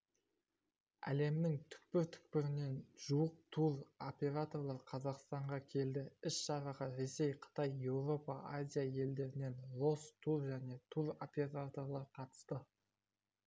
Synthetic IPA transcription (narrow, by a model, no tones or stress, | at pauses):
æ̰le̞mnɪŋt̪ʰʏ̥k̚pɪɾt̪ʰʏ̥k̚pɪɾɪne̞nʒ̥uwəq̚t̪ʰuɾopʲe̞ɾat̪o̞rlˠɑɾqʰɑzɑqst̪ɑɴʁɑkʲʰe̞ld̪ɪɪʃʃɑɾɑʁəɾe̞se̞jqʰə̥t̪ɑje̞wɾo̞pɑʔazʲijaje̞ld̪e̞ɾɪne̞nlˠo̞st̪ʰuɾʒæne̞t̪ʰuɾo̞pʲe̞ɾat̪o̞rlˠɑɾqʰɑt̪ə̥st̪ə